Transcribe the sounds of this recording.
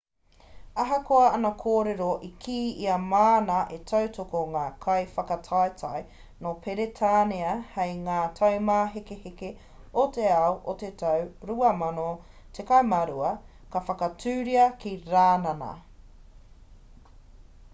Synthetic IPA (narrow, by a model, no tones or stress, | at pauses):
ɐɦɐkoɐɐnɐkʰoːɾeɾoʔikʰiːiɐmaːnɐʔetʰɐwtokoŋaːkʰɐjfɐkɐtʰajtʰɐj | nopʰeɾetʰaːneɐhejŋaːtʰɐwmaːɦekeheke | oteɐoʔotetʰɐwɾuɐmɐno | tekɐjmɐɾuɐ | kɐfɐkɐtʉːɾiɐkiɾaːnɐnɐ̰